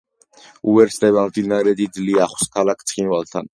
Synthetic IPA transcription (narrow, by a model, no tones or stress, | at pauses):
uvɛɾsd̪ɛβamd̪inaɾɛd̪id̪zliaχwskʰalakʰt̪sʰχinvalˠt̪ʰa̰n